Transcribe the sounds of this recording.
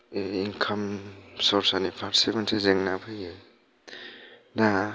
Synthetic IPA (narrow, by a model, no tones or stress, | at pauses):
inkʰamsɔɾsanipʰaɾsemansʰezeŋnapʰɯjɯ | na